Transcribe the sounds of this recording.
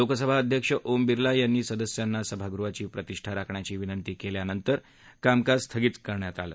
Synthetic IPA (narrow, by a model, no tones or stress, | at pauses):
lokəsəbʱaəd̪ʱjəkʂəʔombiɾlajanːiːsəd̪əsjanːasəbʱaɡɾuʋat͡ɕiːpɾət̪iʂʈʰaɾakʰɳjat͡ɕiːʋinənt̪iːkeljanənt̪əɾ | kamkast̪ʰəɡiːt̪kəɾɳjat̪alə̰ː